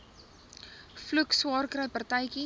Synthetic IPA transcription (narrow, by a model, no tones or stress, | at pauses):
flukswɑːrkɾəjpɐrtəjki